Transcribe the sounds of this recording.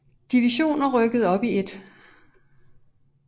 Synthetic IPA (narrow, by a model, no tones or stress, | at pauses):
d̥iʋiɕo̝̰ːnɐʁœɡ̥əð̩ˠɒ̽b̥ie̝d̥